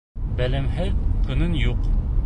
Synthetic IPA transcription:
bælæmɦæɾqʰɤ̆nɤnjuq

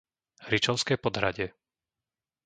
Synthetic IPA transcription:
ɾit͡ʃɔʊskɛːpɔd̪ɦɾaɟɪɛ

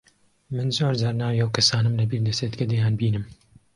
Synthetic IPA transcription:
mɨnzoːɾzaɾnɑːwjɛwkʰɐsɑːnɨmlɨbiːɾd̪ɛseːd̪kɛd̪ejaːnbiːnɨm

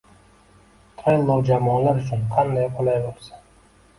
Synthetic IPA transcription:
t̪ʰanmɒld͡ʒamɒnlaɾʊt͡ʃʰʊnqʰɑnd̪ajqʰolˠajbolˠsḁ

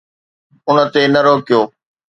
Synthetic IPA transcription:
ʊnə̆t̪enɐɾoːkɪjoː

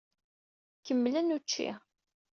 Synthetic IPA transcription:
kəmːlənut͡ʃːḭ

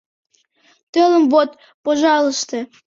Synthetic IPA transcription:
t̪øləmβot̪̚ | poʒɑləʃt̪e

